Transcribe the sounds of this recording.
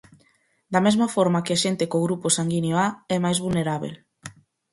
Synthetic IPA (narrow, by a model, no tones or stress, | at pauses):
d̪ɐmezmafɔɾmakɪaʃent̪ɪkoɣɾuposaŋɡinjoaɛmajzβulneɾaβ̞ḛl